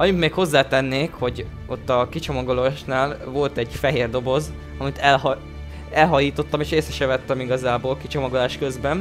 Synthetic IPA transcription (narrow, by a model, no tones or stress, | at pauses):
ɒɲut̪meːkho̞zːaːt̪ɛnːeːkho̞ɟ | o̞t̪ːɒkit͡ʃo̞mɒɡoloʃnaːlvo̞lt̪ɛɟfɛɦeːrd̪o̞bo̞z | ɒmit̪ɛlh | ɛlɦɒjiːt̪o̞t̪ːɒmeːʃeːsɛʃɛvɛt̪ːɛmiɡɒzaːbolkit͡ʃo̞mɒɡolaːʃkø̞zbɛn